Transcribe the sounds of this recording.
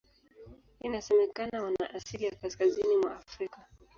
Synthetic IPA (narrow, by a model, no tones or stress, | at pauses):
inasɛmɛkanawana̰ʔasilijakaskazinimwaːfɾika